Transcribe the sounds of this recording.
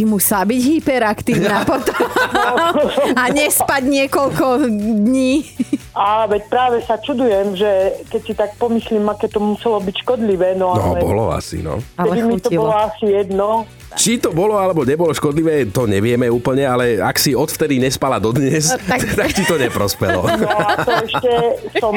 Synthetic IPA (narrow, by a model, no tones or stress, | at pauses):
imusabiɟɦipɛɾakt̪iːʊnapɔt̪ɔ | ɔaɲɛspaɟɲɪɛkɔlkɔd̪ɲiːaʋɛc̚pɾaːʋɛsat͡ʃud̪ujɛmʒɛkɛcsit̪ak̚pɔmisliːmakɛːt̪ɔmusɛlɔbicʃkɔd̪liʋɛːnɔaɔ̰lɛbɔ̰lɔ̰a̰sḭnɔ̰ɛd̪imit̪ɔbɔlɔasijɛd̪nɔ | t͡ʃit̪ɔbɔlɔalɛbɔɲɛbɔlɔʃkɔd̪liʋɛːt̪ɔɲɛʋɪɛmɛuːpl̩ɲɛalɛa̰ksiɔt̪ft̪ɛd̪iɲɛspalad̪ɔd̪ɲɛsakt̪atit̪ɔɲɛpɾɔspɛlɔ̰nɔat̪ɔɛʃcɛsɔm